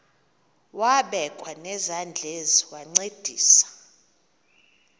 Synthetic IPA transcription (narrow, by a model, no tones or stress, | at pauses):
waɓɛkʼwanɛzand͡ɮʱeziwaŋ͡ǀed̥ʱiːsḁ